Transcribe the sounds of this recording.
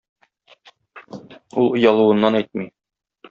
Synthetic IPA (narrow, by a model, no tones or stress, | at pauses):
ulˠŏjɑlˠuwɤ̆nːɑnæjt̪̚mi